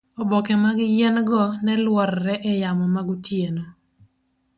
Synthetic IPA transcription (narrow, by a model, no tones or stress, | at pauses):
ɔbɔkɛmaɡɪjɛnɡɔnɛlwɔɾːɛʔɛjamɔmaɡutjeno